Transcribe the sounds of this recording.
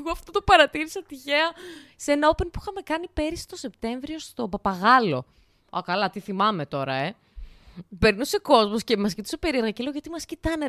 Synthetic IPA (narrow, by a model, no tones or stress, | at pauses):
ɣoɐft̪ot̪opɐɾɐt̪iɾisɐt̪içe̞ɐsenɐo̞penpuixɐme̞kɐnipe̞ɾist̪o̞se̞pt̪e̞ɱvɾio̞st̪o̞pɐpɐɣɐlo̞̰ | ɐ̰kɐlɐt̪iθimɐme̞t̪o̞ɾɐ̰e | be̞ɾnuse̞ko̞zmo̞sce̞mɐscit̪i̥sope̞ɾiɾɣɐceloʝɐt̪imɐscit̪ɐne